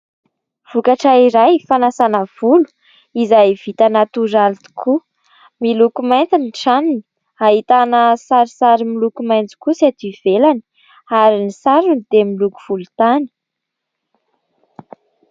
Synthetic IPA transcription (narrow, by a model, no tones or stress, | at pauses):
v̥ukaʈ͡ʂaiɾajfanasanəv̥ulu̥ | izajv̥it̪anat̪uɾalit̪u̥kʰu | milukumajnt͡siniʈ͡ʂanini | aɦit̪anəsaɾisaɾimilukumajnt͡si̥kusat̪iv̥elani̥ | aɾinisaɾund̪̥emiluku̥v̥ulut̪ani̥